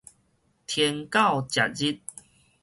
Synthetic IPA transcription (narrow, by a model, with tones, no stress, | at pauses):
t̪ʰje˧ŋka˥˨wt͡ɕja̰˨t̚d͡ʑi˦t̚